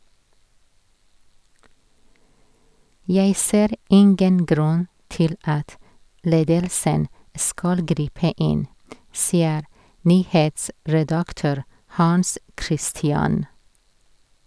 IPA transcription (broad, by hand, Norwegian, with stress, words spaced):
ˈjæɪ ˈseːɾ ˈɪŋɡən ˈɡɾʉn ˈtɪl ˈɑt ˈleːdəlsən ˈskɑl ˈɡɾiːpə ˈɪn ˈsiːəɾ ˈnyːheːtsɹɛdɑkˌtøːɾ hɑnˈskɾɪstɪɑn